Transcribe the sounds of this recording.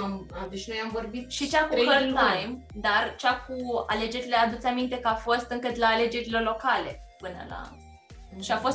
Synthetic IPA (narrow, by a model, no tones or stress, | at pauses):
ad̪et͡ʃnojamvo̞rbit̪ʃit͡ʃakuɦərt̪ajim | d̪art͡ʃakua̰le̞d͡ʒe̞ɾile̞ad̪ut̪samint̪e̞kəafo̞st̪ɨŋkɨt̪laːle̞d͡ʒe̞ɾilo̞rlo̞kale̞̰ | pɨnə̰la̰ | ʃiafo̞s